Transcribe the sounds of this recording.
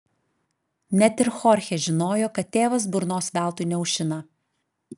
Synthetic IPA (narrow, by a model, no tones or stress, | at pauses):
nʲɛt̪ʲɪɾxɔɾʲxʲeʒʲɪnoːjoːkɐt̪̚ʲːeːʋɐs̬bʊɾnoːsʋʲæˑlˠt̪ʊɪnʲɛʊʃʲɪnɐ